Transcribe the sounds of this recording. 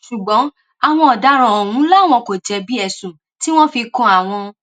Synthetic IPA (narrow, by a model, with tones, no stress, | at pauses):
ʃu˨ɡ͡bɔ̃˨˦ | a˨w̃ɔ̃˧ɔ˨da˨˦ɾ̃ã˨ɔ˨ũ˨˦la˦˨w̃ɔ̃˧ko˨d͡ʒɛ˧bi˦ɛ˦˨sũ˨ | ti˦w̃ɔ̃˦fi˧kɔ̃˧a˨w̃ɔ̃˧